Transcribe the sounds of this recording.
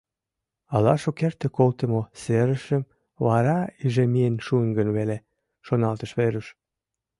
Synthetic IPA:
ɑlɑʃokert̪ĕkolt̪ə̆moseɾə̆ʃə̆m | βɑɾɑiʒemienʃuəŋɡə̆nβele | ʃonɑlt̪ə̆ʃβeɾəʃ

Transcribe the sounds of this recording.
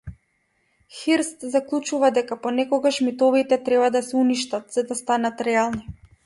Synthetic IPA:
xiɾst̪zaklˠut͡ʃuvad̪ɛkapɔnɛkɔɡaʃmit̪ɔvit̪ɛt̪ɾɛbad̪asɛuniʃt̪at̪z̥ad̪ast̪anat̪ɾɛalˠni

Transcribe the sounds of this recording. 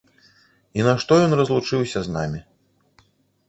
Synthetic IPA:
inɐʂt̪ɔjɔnrɐzlˠut͡ʂɨwsʲɐzna̰mʲi

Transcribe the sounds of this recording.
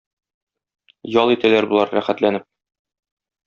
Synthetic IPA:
jɒlˠit̪ælæɾbulˠɑɾːæχæt̪lænɘp̚

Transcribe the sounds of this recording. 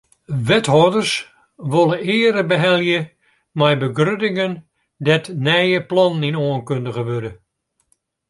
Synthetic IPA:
ʋɛtɦɔdərs | ʋolˠəɪəɾəbəɦɛlˠjə | mɛjbəɡrødɪŋən | dɛtnɛjəplɑninoənkøndəɣəʋødə

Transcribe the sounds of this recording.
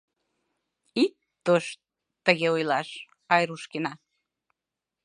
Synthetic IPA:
it̪ː | oʃ | t̪əɣeujlɑʃ | ɑjɾuʃkenɑ

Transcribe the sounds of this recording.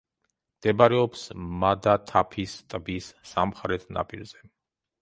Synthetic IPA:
md̪̥ɛbaɾɛɔpsmad̪at̪ʰapʰist̪ʼbisːamχaɾɛt̪ʰna̰pʼiɾzɛ

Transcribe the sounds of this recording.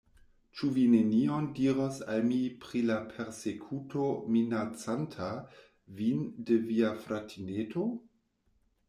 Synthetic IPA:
t͡ʃuvineniondiɾosa̰lmipɾilapʰeɾsekʰutʰominat͡santʰa | vindeviafɾatʰinetʰo

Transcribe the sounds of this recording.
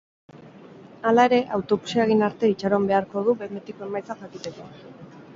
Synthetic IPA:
alae̞ɾe̞ʔawt̪o̞βu̥siaɣ̞inaɾt̪e̞it͡ʃaɾo̞mbe̞aɾko̞ð̞uβemet̪ikoe̞majt͡saxakit̪e̞ko

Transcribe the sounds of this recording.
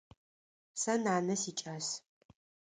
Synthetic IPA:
sɐnaːnɐsiːt͡ʃʼaːs

